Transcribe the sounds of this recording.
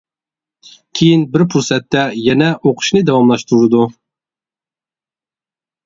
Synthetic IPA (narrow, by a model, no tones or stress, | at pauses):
kʲʰejinbɪɾpʰuɾsɛt̪ːɛjɛnɛʔoqʰʊ̥ʃnɨd̪ɛwɑmlˠɑʃt̪uɾɨd̪u